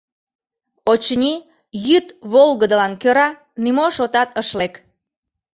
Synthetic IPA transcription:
ot͡ɕnʲi | jyt̪βolɣəd̪əlɑnkøɾɑ | nymoʃot̪ɑt̪əʃlek

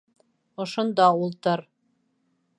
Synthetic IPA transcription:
ŏʃŏnd̪ɑulˠt̪ɤɾ

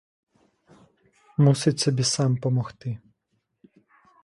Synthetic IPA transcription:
musɪt͡ɕʲsɔbʲisampɔmɔxt̪ɪ

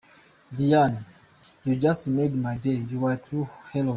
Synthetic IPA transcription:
diãn | jud͡ʒastmedmaɪdejuwɛtʰuhɛlo

